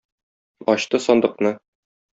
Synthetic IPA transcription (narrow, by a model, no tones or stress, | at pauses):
ɒɕt̪ɤsɒnd̪ɤ̆qnɤ